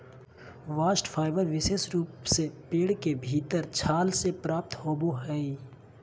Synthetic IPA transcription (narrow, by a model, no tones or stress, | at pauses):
ʋaːsʈfʰaːɪbəɾʋɪsesɾuːpsepeːɽkebʱiːt̪əɾt͡ʃʰaːlsepɾaːp̚t̪hoːboɦɛːi